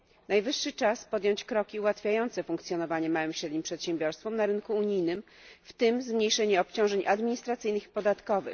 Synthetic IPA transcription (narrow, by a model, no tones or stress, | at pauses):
najvɘʂːɘt͡ʂaspɔd̪jɔ̃ɲt͡ɕkɾɔkʲiuwat̪fʲjajɔnt̪sɛfuŋkt̪sʲjɔnɔvaɲɛmawɘmɕɾɛd̪ɲimpʂɛt̪ɕɛ̃mbʲjɔɾst̪fɔmnaɾɘnkuːɲijnɘm | ft̪ɘmzmɲejʂɛɲɛɔpt͡ɕɔ̃w̃ʐɛɲʔad̪mʲiɲist̪ɾat̪sɘjnɘxipɔd̪at̪kɔvɘ̰